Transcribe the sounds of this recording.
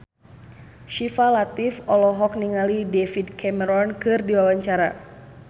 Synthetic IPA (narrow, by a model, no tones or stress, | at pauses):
ʃifalat̪ifɔlɔɦɔk̚niŋalidefidkʰɛmɛɾɔnkɨrdiwawaɲt͡ʃaɾa̰